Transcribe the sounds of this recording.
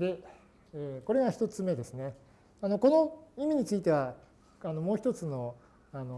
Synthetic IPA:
d̪e̞ | eːko̞ɾe̞ɡaçi̥t̪o̞t͡sɨme̞d̪e̞sɨne̞ | anoko̞no̞imʲiɲ̟it͡sɨit̪e̞βa | ano̞mo̞ːçit̪o̞t͡sɨno̞ | ano

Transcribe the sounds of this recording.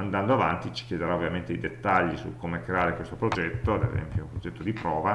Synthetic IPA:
and̪and̪oava̰nt̪it͡ʃi̥kjed̪eɾaovːjament̪ejd̪et̪ːaʎːisṵkːomekɾeaːɾekwest̪opɾod͡ʒɛt̪ːoad̪ḛzɛ̰mpjoũmpɾod͡ʒɛt̪ːod̪ipɾɔːva

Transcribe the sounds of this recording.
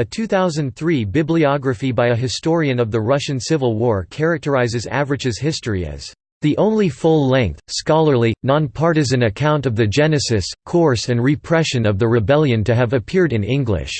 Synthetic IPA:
ɨtʰʉθaʊzɨ̃nθɹibɪbliɑɡɹɨfibaɪɨɦɨstɔɹiɨ̃nʌvðəɹʌʃɨ̃nsɪvəl̩ˠwɔɹkʰɛɹɨk̚tə˞aɪzɨzæ̰vəɹɨd͡ʒɨz̥hɪstəɹiɨ̰z̥ | ðiʔõʊ̃nlifʊlˠlɛ̃ŋk̚θskɑlˠə˞linɑ̃npʰɑɹɾɨzɨ̃nɨkʰãʊ̃ntʌvðɨd͡ʒɛnɨsɨskʰɔɹsɨ̃nɹɨpʰɹ̥ɛʃɨ̃nʌvðɨɹɨbɛlˠjɨ̃ntɨɨvɨpʰɪɹɾɨ̃nɪ̃ŋɡlɪ̰ʃ

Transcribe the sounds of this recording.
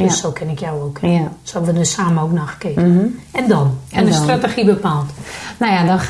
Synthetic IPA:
døssoːkʰɪnɪkjawoːkʰsoɛbəʋədəsaːməowknɔxkɪəɛndɔnɛnəstratexibəpaːlˠtnawjadɔn

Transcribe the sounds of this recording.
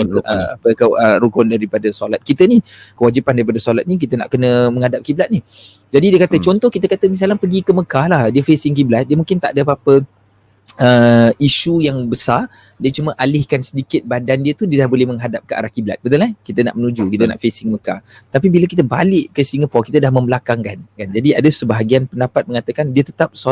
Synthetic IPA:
ʔəa̰pəkəəɾuɡʊndaɾipadəsolat̪̚kit̪ənikəwad͡ʒipandaɾipadəsolat̪̚nik̬it̪əna̰ʔkənəmə̃ŋadap̚kiblat̪̚ni | d͡ʒadidiəkat̪ət͡ʃɔnt̪ɔhkit̪̬əkat̪əmis̬alapəɡikəməkahlahdiəfesɪŋkiblat̪̚diəmũŋkɪnt̪a̰ʔdəpapə | əiʃujaŋbəsar | diat͡ʃuməʔalɪhkansədikɪt̪̚badandiət̪udiədahbolɛhməŋɦadap̚kəʔa̰ɾahkibla̰t̪̚bət̪ulakit̪əna̰ʔmənud͡ʒukit̪əna̰ʔfesɪŋməkat̪apibiləkit̪̬əbalɪʔkəsiŋəpɔkit̪ədahməməlakaŋkankand͡ʒadiadəsəbaɦaɡianpəndapat̪̚məŋat̪əkandiət̪ə̥t̪ap̚so

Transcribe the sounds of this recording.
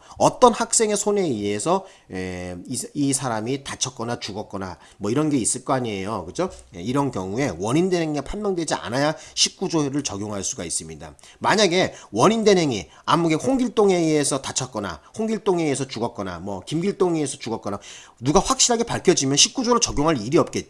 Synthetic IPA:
ʌt͈ʌnhak̚s͈e̞ŋe̞sʰone̞ie̞sʰʌ | e | isʰaɾamitat͡ɕʰʌt̚k͈ʌnat͡ɕuɡʌt̚k͈ʌna̰ | mwʌiɾʌnɡe̞is͈ɯɭk͈ʌaɲie̞jokɯd͡ʑʰoeiɾʌnkjʌŋue̞wʌɲindenɦeŋɡapʰanmjʌŋdwe̞d͡ʑia̰najaɕʰip̚k͈ud͡ʑoeɾɯɭt͡ɕʌɡjoŋɦaɭs͈uɡais͈ɯmɲida̰ | maɲaɡe̞wʌɲinde̞nɦe̞ŋi | amuɡeɸoŋɡiɭt͈oŋe̞iesʰʌtat͡ɕʰʌk͈ʌna̰hoŋɡiɭt͈oŋeesʰʌt͡ɕuɡʌt̚k͈ʌna̰mwʌkimɡiɭt͈oŋiesʰʌt͡ɕuɡʌk͈ʌna | nuɡaɸwak̚ɕ͈iɾɦaɡe̞paɭkʰjʌd͡ʑimjʌnɕʰip̚k͈ud͡ʑoɾot͡ɕʌɡjoŋɦaɾiɾiʌp̚k͈et͡ɕ

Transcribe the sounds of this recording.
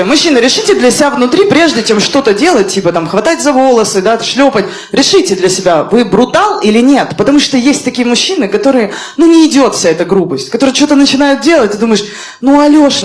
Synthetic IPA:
mʊɕːinɨɾʲɪʂɨtʲɪd̪lʲəsʲɪbʲavnʊt̪ɾʲipɾʲe̞ʐdʲɪt͡ɕe̞mʂt̪o̞t̪ədʲe̞lˠət̚ʲtʲːipət̪amxvɐt̪atʲzɐvo̞lˠəsɨd̪aʂlʲopət̚ʲ | ɾʲɪʂɨtʲɪd̪lʲɐsʲɪbʲavɨbɾʊt̪alˠilʲɪnʲe̞t̪pət̪ɐmuʂt̪ojesʲtʲt̪ɐkʲijəmʊɕːinɨkɐt̪o̞ɾɨjə | nunʲɪːdʲo̞t̪fsʲaɛt̪əɡɾupəsʲtʲkɐt̪o̞ɾɨjt͡ɕot̪ənət͡ɕɪnajʊt̪̚dʲe̞lˠətʲɪd̪uməɪʂ | nuɐlʲoʂ

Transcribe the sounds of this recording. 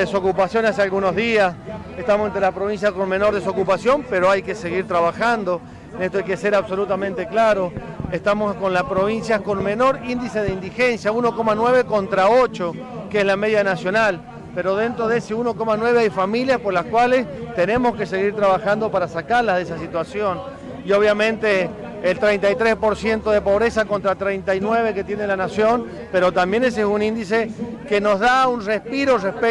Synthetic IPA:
eso̞kupasjo̞nasealɣuno̞zðiasest̪amosent̪ɾelapɾoβins̬jako̞nme̞no̞ɾðes̬okupasjo̞mpeɾoajke̞se̞ɣiɾt̪ɾaβaxand̪o̞ | nest̪oajke̞se̞ɾaβso̞lut̪amẽnt̪e̞klaɾo̞est̪amosko̞nlaspɾo̞β̞insjako̞nme̞no̞ɾind̪ise̞ð̞eind̪ixe̞nsjauno̞ko̞manwe̞βe̞ko̞nt̪ɾaot͡ʃo̞ | kezlame̞ðjanasjonal | pe̞ɾo̞ðe̞nt̪ɾo̞ðeeseuno̞ko̞manwe̞βe̞ajfamiljaspo̞ɾlaskwale̞st̪e̞nẽ̞mo̞ske̞se̞ɣ̞iɾt̪ɾaβaxand̪o̞paɾasakaɾlaðesasit̪wasjo̞n | io̞β̞jamẽ̞nt̪eː | lt̪ɾe̞jnt̪ajt̪ɾespo̞ɾsje̞nt̪o̞ð̞e̞po̞βɾe̞sako̞nt̪ɾat̪ɾejnt̪ajnwe̞βe̞ke̞t̪je̞nelanasjo̞n | pe̞ɾo̞t̪ambje̞nes̬esunĩnd̪isekeno̞zðaunrespiɾorespe

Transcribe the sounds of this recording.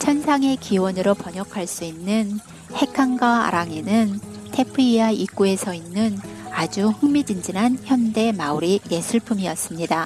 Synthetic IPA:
t͡ɕʰʌnsʰaŋe̞kiwʌnɯɾopʌɲʌkʰaɭs͈uinːɯn | he̞kʰaŋɡaa̰ɾaŋe̞nɯntʰe̞pʰɯiaik͈ue̞sʰʌinːɯnad͡ʑuɸɯŋmid͡ʑind͡ʑinɦançjʌnde̞mauɾine̞sʰuɭpʰumiʌs͈ɯmɲida

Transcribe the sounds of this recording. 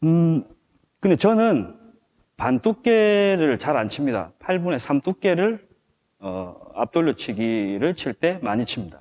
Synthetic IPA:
ɯ | kɯndet͡ɕʌnɯn | pant͈ʰuk̚k͈e̞ɾɯɭt͡ɕaɾant͡ɕʰimɲida̰pʰaɭbune̞sʰamt͈ʰuk̚k͈e̞ɾɯɭ | ʌ̰a̰p̚t͈oɭːot͡ɕʰiɡiɾɯɭt͡ɕʰiɭt͈e̞maɲit͡ɕʰimɲid̥a

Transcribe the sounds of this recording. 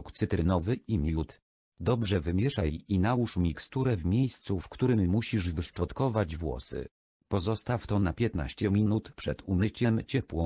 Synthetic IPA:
kt̪sɘt̪ɾɘnɔvɘimʲjut̪ | d̪ɔbʐɛvɘmʲjɛʂajinawuʂmʲikst̪uɾɛvmʲjejst̪sufkt̪uɾɘmːuɕiʐvɘʂt͡ʂɔt̪kɔvad͡ʑvwɔ̰sɘ̰ | pɔzɔst̪aft̪ɔnapʲjɛt̪na̰ɕt͡ɕɛmʲinut̪pʂɛ̰t̪umɘt͡ɕɛmt͡ɕɛpwɔ̃

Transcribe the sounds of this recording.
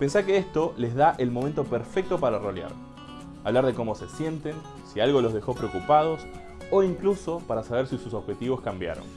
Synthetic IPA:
pe̞nsakeest̪o̞le̞zðaʔe̞lmo̞ment̪o̞peɾfek̚t̪o̞paɾaro̞lja̰ɾ | aβlaɾð̞e̞ko̞mo̞se̞sje̞nt̪e̞n | sialɣo̞lo̞zð̞exo̞pɾeokupað̞o̞s | o̞iŋkluso̞paɾasaβ̞eɾsisusoβxe̞t̪iβo̞skambja̰ɾo̰n

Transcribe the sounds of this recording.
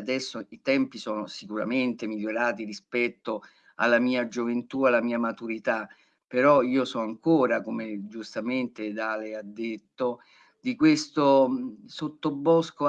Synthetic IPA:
d̪ɛsːoit̪ɛmpisɔːnosikuɾa̰ment̪emiʎːoɾaːt̪irispɛt̪ːo | a̰lːamiːad͡ʒovent̪ualːamiːamat̪uɾit̪a | peɾɔiːosɔaŋkoːɾakomed͡ʒust̪ament̪ed̪aːlead̪ːet̪ːo | d̪ikwest̪osot̪ːobɔsko

